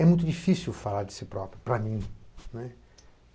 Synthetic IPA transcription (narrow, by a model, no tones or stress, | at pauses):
ɛmũj̃t̪ʊd͡ʒifisiwfalaɾd͡ʒ̪ɪsɪpɾɔpɾjʊpɾamĩnɛ